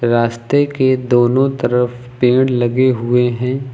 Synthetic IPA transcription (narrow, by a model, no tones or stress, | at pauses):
ɾaːst̪eked̪oːnõt̪ɐɾəf | pẽːɽlɐɡeɦʊeɦɛ̃ː